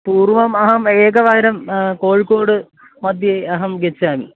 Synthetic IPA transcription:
puːrʋɐmɐɦɐmeːkɐʋaːɾɐmkoːɻkoːɽɨ | mɐd̪ʱjeɐɦɐmɡet͡ɕːaːmḭ

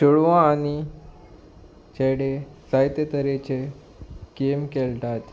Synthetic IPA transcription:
t͡ɕoɭʋãːni | t͡ɕeɽesajt̪ət̪əɾet͡ɕe | kemkelʈ̪at̪

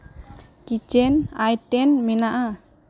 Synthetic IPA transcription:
kit͡ʃɛnajʈɛnminaʔa

